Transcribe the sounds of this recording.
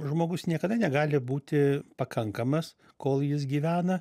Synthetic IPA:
ʒmoːɡʊsnʲiɛkɐd̪ɐnʲɛɡɑːlʲɪbuːt̪ʲɪpɐkʰɐŋkɐmɐs | koːlˠjɪs̬ɡʲiːʋʲæːnɐ

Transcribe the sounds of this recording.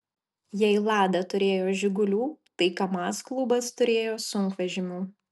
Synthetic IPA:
jɛɪlˠɑːd̪ɐt̪ʊɾʲeːjoːʒʲɪɡʊlʲuːt̪ɐɪkɐmɑːsklˠʊbɐst̪ʊɾʲeːjoːsʊŋˑkʋʲɛʒʲɪmʲuː

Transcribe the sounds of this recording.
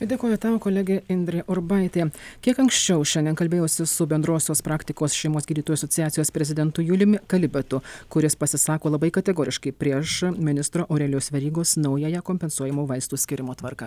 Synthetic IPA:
d̪ʲeːkoːjʊt̪ɑːʋokoːlʲæɡʲeɪnʲd̪ʲɾʲeʔoɾbɐɪt̪ʲeːkʲiɛkɐŋksʲt͡ʃʲɛʊʃʲɛnd̪ʲɛnkɐlʲbʲeːjoːsʲɪsʊbʲɛnd̪ɾoːsʲoːspɾɑːkt̪ʲɪkoːsʃʲɛɪmoːsɡʲiːd̪ʲiːt̪oːjuɐsɔt̪ʲɪjæːt̪sʲɪjoːspʲɾʲɛzʲɪd̪ʲɛnt̪ʊjʊlʲɪmʲɪkɐlʲɪbʲɛt̪ʊkʊɾʲɪspɐsʲɪsɑːkoːlˠɐbɐɪkɐt̪ʲɛɡoːɾʲɪʃkɐɪpʲɾʲiɛʃmʲɪnʲɪst̪ɾoːʔːɾʲɛːlʲɪjoːsʋʲɛɾʲiːɡoːsnɐʊjɛjɛkoːmʲpʲɛnsuɔjɛmuːʋɐɪst̪uːsʲkʲɪɾʲɪmoːt̪ʋɐɾkɑ

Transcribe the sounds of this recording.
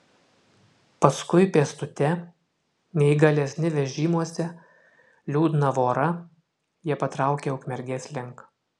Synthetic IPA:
pɐskʊɪpʲeɛst̪ʊt̪ʲɛ | nʲɛɪɡɐlʲɛsʲnʲɪʋʲɛʒʲiːmuɔsʲɛ | lʲuːd̪ʲɪnɐʋoːɾɐ | jiɛpɐt̪ɾɑˑʊkʲeːʊkmʲɛɾʲɡʲeːslʲɪŋk

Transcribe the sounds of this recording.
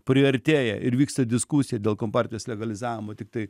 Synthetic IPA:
pʲɾʲɪɐɾʲt̪ʲeːjɛ̰ʔɪɾʋʲiːkst̪ɐd̪ʲɪskusʲɪjɛd̪ʲeːlˠkoːmpɑːɾʲt̪ʲɪjoːslʲɛɡɐlʲɪzɑːʋʲɪmoːt̪ʲɪk̚t̪ɐɪ

